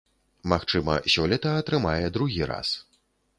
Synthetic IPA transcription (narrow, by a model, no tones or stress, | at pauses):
maxt͡ʂɨmɐ̰sʲɔlʲɐt̪ɐːt̪ɾɨmajɛd̪ɾuɣʲiɾa̰s